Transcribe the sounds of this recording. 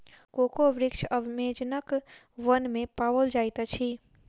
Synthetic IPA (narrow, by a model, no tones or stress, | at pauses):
kokoʋɾɪkt͡ʃʰəʋmed͡ʒnək | ʋənmepaʋəld͡ʒajt̪ət͡ʃʰi